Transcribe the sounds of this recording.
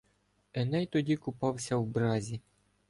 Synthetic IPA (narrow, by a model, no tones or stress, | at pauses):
ɛnɛjt̪ɔdʲikʊpɑwsʲɐwbɾɑzʲi